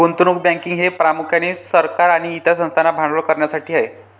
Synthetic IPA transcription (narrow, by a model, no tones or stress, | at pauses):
ɡont̪unuk̚bãŋkiŋɡɦepɾamukʰjanisəɾkaɾaɽ̃iːt̪jasə̃st̪ʰanabʱãɳəkəɾɳjasaʈʰiːaɦe